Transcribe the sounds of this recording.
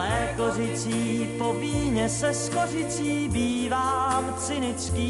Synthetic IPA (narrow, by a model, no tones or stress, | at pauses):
ɛːkorɪt͡siːpobiːɲɛsɛskorɪt͡siːbiːvaːmt͡sɪnɪt͡skiː